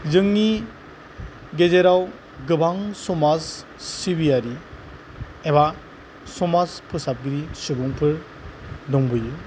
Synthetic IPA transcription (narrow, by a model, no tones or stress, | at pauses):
zɯŋni | ɡezeɾaw | ɡɯbaŋsɔmasː | ibijaɾi | eba | sɔmaspʰɯsap̚ɡɾisɯbɔŋpʰɯɾ | dɔŋbɯjɯ